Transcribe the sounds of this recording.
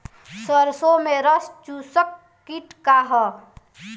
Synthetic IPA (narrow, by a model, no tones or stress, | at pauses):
səɾsomeɾəst͡ʃusəkː | iʈkaɦɔ